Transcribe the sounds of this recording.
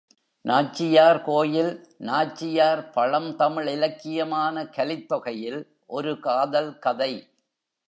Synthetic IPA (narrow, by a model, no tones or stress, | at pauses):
naːt͡ʃːɪjaːɾkoːjɪlnaːt͡ʃːɪjaːɾpɐɻɐmt̪ɐmɪɭɪlɐkːɪjɐmaːnɐkɐlɪt̪ːɔɣɐjɪl | ʔɔɾɯkaːðɐlkɐðɐɪ